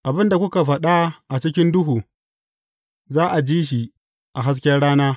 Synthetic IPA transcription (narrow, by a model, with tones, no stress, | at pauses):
ʔa˨bɪ˦nda˨kʷʊ˦ka˨ɸɐ˨ɗa˦ʔa˨t͡ʃɪ˦kʲɪ˦ndʊ˦ɦuː˨ | zaː˦ʔa˨d͡ʒiː˦ʃ̬i˨ | ʔa˨ɦa˦s̬kʲɛ˦ɽaː˦naː˦